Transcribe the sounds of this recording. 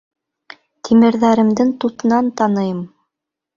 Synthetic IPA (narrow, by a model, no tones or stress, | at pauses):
t̪ʰimɘ̆ɾðæɾɘ̆md̪ɘŋt̪ut̪ɤ̆nɑnt̪ɑnɤ̆jɤm